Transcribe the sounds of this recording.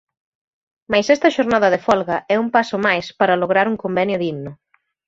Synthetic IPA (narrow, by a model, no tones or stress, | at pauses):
majsɛst̪ɐʃoɾnaðɐðefɔlɣɐʔɛumpasʊmajspaɾɐloɣ̞ɾaɾuŋkombɛnjʊðiɣnʊ